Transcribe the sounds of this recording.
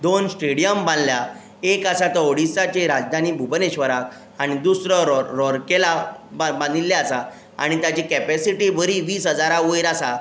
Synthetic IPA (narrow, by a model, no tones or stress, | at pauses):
d̪onsʈeɽijəmbãnd̪lja | ekasat̪əoɽisat͡ɕeɾad͡zd̪ʱañiːbʱubəneɕʋəɾak | añid̪usɾəɾɔɾkelabãd̪ilːaasa | a̰ɽ̃it̪jat͡ɕekɛpæsiʈibəɾiʋiːsɦəd͡zaɾaʋojɾasa